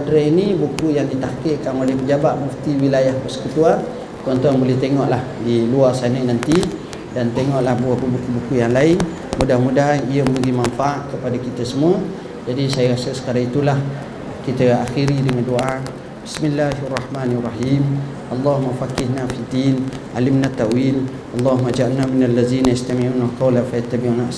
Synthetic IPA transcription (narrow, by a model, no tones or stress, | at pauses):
adɾainibukujaŋdit̪akəʔkanolɛhpəd͡ʒabaʔ̚muft̪iwilajahbərsə̥kət̪uar | t͡ʃɔnt̪uaŋbolɛht̪eŋɔʔlahdiluarsanəʔnant̪i | dant̪eŋɔʔlahbuabubukubukujaŋlaɪŋ | mudahmudaɦanijəməɡimaɱfaaʔkəpadakit̪əsəmuə | d͡ʒadisajaɣasəsə̥kaɾaŋit̪ulah | kit̪əaxiɾidəŋandoʔa | bismilːaɦarːˤɑhmanarˤːɑhim | ʔɑlˤːɑɦumːafakɪhnafid̪in | ʔalɪmnat̪ːaʔwiːl | ʔɑlˤːɑɦumːad͡ʒaʔalnːaminalːaziːnaast̪amiʕuːnakawlafat̪ːabiunaʔs